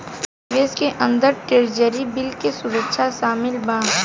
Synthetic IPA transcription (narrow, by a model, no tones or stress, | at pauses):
ʋeːskeʔə̃nd̪əɾʈeɾd͡ʒəɾibɪlkesʊɾəkʃʰaʃaːmɪlbãː